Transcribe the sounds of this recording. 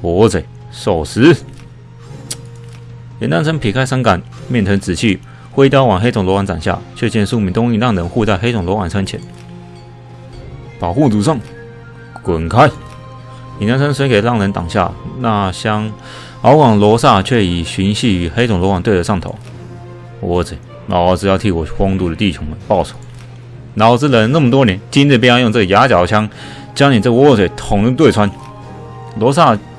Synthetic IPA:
pwɔ˧˦t͡se˨˩ɪ | so˨˩ʊsɹ̩˧˦ | jɛ˧˥nt̪a˥nt͡sʰə˥npʰi˨˩kʰa˥ɪsa˥nka˨˩n | mjɛ˥˩ntʰə˧˥ŋt͡sɹ̩˨˩t͡ɕʰy˥˩ | xwe˥ɪt̪jɑ˥˩wɑ˨˩ŋxe˥ɪt͡sʊ˨˩ŋlɔ˧˥wa˧˥nt͡sa̰˨˩ŋɕja̰˥˩t͡ɕʰɥɛ˥˧t͡ɕjɛ˥˧nsu˥˧mi˧˥nt̪ʊ˥ŋi˥˧˩lɑ˥˩ŋɻə˧˥nxu˥˧t͡sa˥˩ɪxe˥ɪt͡sʊ˨˩ŋlwɔ˧˥wa˨˩nt͡sʰə˧˥nt͡ɕʰjɛ̰˧˥n | pɑ˨˩xu˥˩t͡su˨˩ʂɑ˥˩ŋ | kwə˨˩nkʰa˥ɪ | i˨˩na˥nt͡sʰə˥nswe˥ɪke˨˩ɪlɑ˥˩ŋɻə˧˥nt̪ɑ˨˩ŋɕja̰˥˩na˥˩ɕjɑ˥ŋ | ɑ˧˥ʊkwɑ˨˩ŋlwɔ˧˥sa˥˧t͡ɕʰɥɛ˥˩i˨˩ɕy˧˥nɕi˥˩y˨˩xe˥t͡sʊ˨˩ŋlwɔ˧˥kwɑ˨˩ŋt̪we˥˩ɪdə˧˦ʂɑ˥˩ŋt̪ʰo̰˨˦ʊ | wɔɔ˧˥˧t͡sʰwe˨˩˦ | na̰˧˥˦t͡sɹ̩˨˩jɑ˥˧t̪ʰi˥˩wɔ˨˩˥xwɑ˥ŋt̪u˥˩ɾə˩t̪i˥˩t͡ɕʰʊ˧˥˦ŋmə˧pɑ˥˩ʊsʰu̥˨˩˦ | na˧˥xo˥ʊt͡s̩˥˩lə˧˥na˥˩mə˩t̪̬wɔ˥njɛ˧˥˦nt͡ɕi˥nɻ̩˥˩pi˥˧jjʊ˥˧ŋt͡sɤ˥˩ə˩ja˧˥t͡ɕjɑ˨˩ʊt͡ɕʰjɑ˥ŋ | t͡ɕjɑ˥ŋni˨˩t͡sə˥˩ɡə˧wɔ˧˥˦t͡sʰwe˨˩ɪt̪ʰʊ˨˩ŋlu˥˧t̪we˥˩ɪt͡sʰwa˦˥n | lwɔ˧˥s̬a˥˩

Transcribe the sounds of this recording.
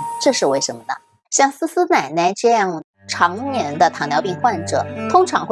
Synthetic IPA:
ʈ͡ʂɤ˥˧ʂɻ̩˥˧we˥˩ɪʂə˧˥nmə˧nə̰˩ | ɕjɑ˥˩ŋsɹ̩˥sɹ̩˥na˨˩ɪna˥˩ɪʈ͡ʂɤ˥˧jɑ˥˩ŋ | ʈ͡ʂʰɑ˧˥ŋnjɛ˧˥nd̪ə˧t̪ʰɑ˨˩ŋnjɑ˧˥ʊpi˥˧ŋxwa˥˩nʈ͡ʂɤ˨˩˦t̪ʰʊ˥ŋʈ͡ʂʰɑ˧˥ŋxw

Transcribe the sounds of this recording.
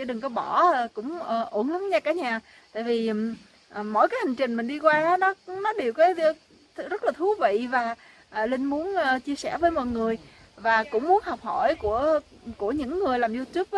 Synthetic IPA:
t͡ɕḭ˧˥ɗɨ˨˩ŋkɔ˨˦ɓɔ˧˩˨kʊ̰˧˥ŋ͡mʔo˧˩nlə˨˦ŋɲaː˧kaː˧˩˦ɲaː˨˩ | t̪a̰ː˧˨jvi˨˩˨ | ʔə˨˩mo̰˧˨jkaː˨˦ha˨˩ŋ̟t͡ɕï˨˩ŋ̟mï˨˩ŋ̟ɗi˧kwaː˧˨˦nɔ˨˦nɔ˨˦ɗe˨˩wkaː˨˦j | zə˦˥t̚laː˨˩t̪ʰu˨˦vḭ˧˨vaː˨˩ | ʔə˨˩lï˧ŋmu˨˦ənː˨˩t͡ɕi˧əsɛ˧˩vəː˨˦jmɔ̰˧˨jŋɨ˨˩əj | vaː˨˩kʊ̰˧˥ŋ͡mmu˨˦ənhɔ˨˩k͡p̚hɔ˧˩˨jku˧˩ə | ku˧˩əɲɨ̰˧˥ŋːɨ˨˩əjlaː˨˩mzu˧t̪u˦˥p̚

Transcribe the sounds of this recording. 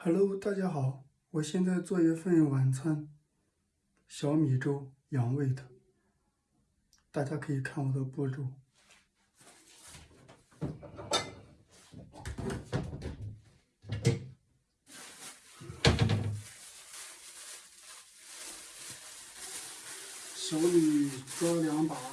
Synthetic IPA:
xa˨˩lo˥˧ʊt̪a˥˩t͡ɕja˥xɑ˨˩˦ʊ | wɔ˨˩ɕjɛ˥˧nt͡sa˥˧ɪt͡swɔ˥˧i˧˥˧fə˥˧˥wa˨˩nt͡sʰwa˥n | ɕjɑ˧˥ʊmi˨˩ʈ͡ʂo˥ʊ | jɑ˧˥ŋwe˥˩ɪd̪ə˩˦ | t̪a˥˩t͡ɕja˥kʰɤ˧˥i˨˩kʰa˥˩nwɔ˨˩d̪ə˦pu˥˧ʈ͡ʂu˥˩ | ɕjɑ˧˥ʊni˨˩ʈ͡ʂɔ˥ljɑ˧˥ŋpa˨˩

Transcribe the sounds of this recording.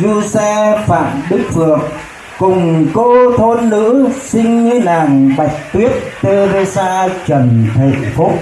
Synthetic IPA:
zu˧sɛ˧fa̰ː˧˨mɗɨ˦˥k̚vɨ˨˩ək | kʊ˨˩ŋ͡mko˧t̪ʰo˧nlɨ̰˧˥sï˧ŋ̟ŋi˧naː˨˩ŋɓa˨˩jk̚t̪wi˦˥ət̚t̪e˧ze˧saː˧t͡ɕə˨˩nt̪ʰa˨˩ŋfʊ˦˥k͡p̚

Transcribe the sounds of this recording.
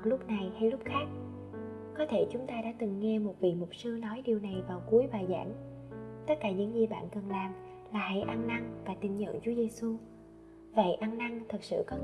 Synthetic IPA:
lʊ˦˥p̚na˨˩jha˧jlʊ˦˥p̚xaː˦˥k̚ | kɔ˨˦t̪ʰe˧˩t͡ɕʊ˨˦ŋ͡mt̪aː˧ɗa̰ː˧˥t̪ɨ˨˩ŋːɛ˧mo˨˩t̚vḭ˧˨mʊ˨˩p̚sɨ˧ənɔ˨˦jɗi˨˩wna˨˩jvaː˨˩wku˨˦əjɓaː˨˩za̰ː˧˥ŋ | t̪ə˦˥t̚kaː˧˩ɲɨ̰˧˥ŋzi˨˩ɓa̰ː˧˨nkə˨˩nlaː˨˩m | laː˨˩ha̰˧˩jʔa˧nːa˧ŋvaː˨˩t̪ï˨˩ŋɲə̰˧˨nt͡ɕu˨˦əze˧su˧ | və̰˧˩˨jʔa˧nna˧ŋt̪ʰə˨˩k̚sɨ̰˧˨kɔ˨˦

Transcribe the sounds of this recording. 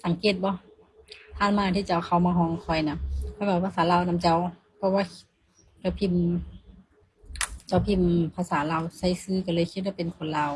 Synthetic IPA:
sa˨˦ŋkeː˧˩t̪̚bɔ˧˦ | t̪ʰaː˧˨nmaː˧˨t̪ʰiː˧˩t͡ɕa˧˩wkʰa˧˩wmaː˧ɦɔː˧˩˨ŋkʰɔ˧˩jna˧˥kʰa˧˦kaː˧˩˧pʰa˧saː˨˦laː˧˨wna˧˥˨mt͡ɕa˧˩˨w | pʰɔ˧waː˧˨kʰi˧t̪̚ | t͡ɕa˧˩wpʰi˧˥˩m | t͡ɕa˧˩wpʰi˧˩˨mpʰa˧saː˨˦laː˧˨wsa˧˥˨jsɯː˧˨ka˧˩lɤː˧˨jkʰi˧t̪̚waː˧pe˨nkʰo˧˨nlaː˧˨w

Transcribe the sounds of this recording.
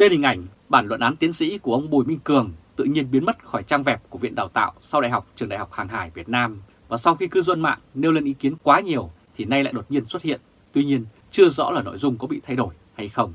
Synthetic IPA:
ɗe˧nhï˨˩ŋ̟ʔa˧˩jŋ̟ | ɓaː˧˩nlwə̰˧˨nʔaː˨˦nt̪i˨˦ənsḭ˧˥ku˧˩əʔə˧wŋ͡mɓu˨˩jmï˧ŋ̟kɨ˨˩əŋt̪ɨ̰˧˨ɲi˧ənɓi˨˦ənmə˦˥t̚xɔ˧˩jt͡ɕaː˧ŋvɛ˨˩p̚ku˧˩əvḭ˧˨ənɗaː˨˩wt̪a̰ː˧˨wsa˧wɗa̰ː˧˨jɦa˨˩k͡p̚t͡ɕɨ˨˩ŋa̰ː˧˨jk͡p̚haː˨˩ŋɦaː˧˩jvi˨˩ət̚naː˧m | vaː˨˩sa˧wxi˧kɨ˧zwə˧nma̰ː˧˨ŋne˧wle˧nʔi˨˦ki˨˦ənkwaː˨˦ɲi˨˩əw | t̪ʰi˨˩na˧jla̰ː˧˨jɗo˨˩t̚ɲi˧ənswt̚hḭ˧˨ən | t̪wi˧ɲi˧ən | t͡ɕɨ˧əzɔ̰˧˥laː˨˩no̰˧˨jzʊ˧ŋ͡mkɔ˨˦ɓḭ˧˨t̪ʰa˧jɗo˧˩j | ha˧jxə˧wŋ͡m

